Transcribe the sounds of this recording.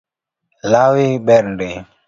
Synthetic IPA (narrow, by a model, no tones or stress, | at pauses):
lawiɓɛɾndɛ